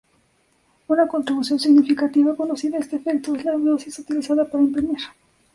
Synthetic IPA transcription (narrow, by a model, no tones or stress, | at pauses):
unako̞nt̪ɾiβusjo̞nsiɣnifikat̪iβako̞nosiðaest̪eːfek̚t̪oe̞zlaðo̞sisut̪ilisaðapaɾaempɾineɾ